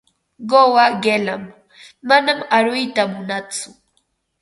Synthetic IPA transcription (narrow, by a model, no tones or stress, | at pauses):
ɢowaɢelamː | anamaɾʊjt̪amʊnat͡sʊ